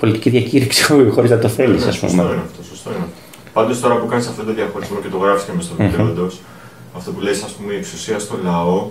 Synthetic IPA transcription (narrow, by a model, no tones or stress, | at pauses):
po̞lit̪iciðʝɐciɾiksi̥xo̞ɾiznɐt̪o̞θe̞lisɐ̰spṵmeoineɐft̪osost̪oineɐft̪o | pɐnd̪o̞st̪o̞ɾɐpukɐnisɐft̪ot̪oðjɐxo̞ɾizmo̞ce̞t̪o̞ɣɾɐfi̥scemest̪oit̪eond̪os | ɐft̪o̞pule̞isɐspumeieksusiɐst̪o̞lɐo̞